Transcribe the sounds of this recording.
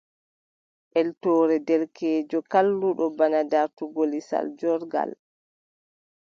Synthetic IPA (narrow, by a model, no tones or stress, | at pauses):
ʔɛltɔːɾɛdɛlkɛːd͡ʒɔkalːuɗɔbanadaɾtuɡolisa̰ld͡ʒɔɾɡa̰l